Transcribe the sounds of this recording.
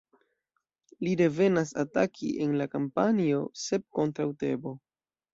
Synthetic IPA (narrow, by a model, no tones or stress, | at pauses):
lide̞ve̞nasa̰takʰḭʔe̞nlakampanio̞se̞p̚ko̞ntɾawte̞bo̞